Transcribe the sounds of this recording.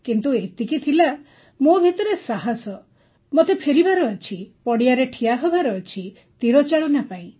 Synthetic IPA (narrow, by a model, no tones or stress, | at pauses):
kint̪uet̪ikit̪ʰila | mobʱit̪ɔɾesaɦasɔ | mot̪epʰeɾibaɾɔːt͡ʃʰipɔɽiaɾeʈʰijaɦɔbaɾɔːt͡ʃʰi | t̪iɾɔt͡ʃaɭɔnapaĩ